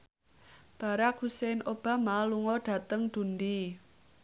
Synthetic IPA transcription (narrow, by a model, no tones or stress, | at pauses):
b̥a̤ɾak̚husenʔob̥a̤maluŋɔɖ̥ä̤t̪əŋd̪̥ṳnd̪i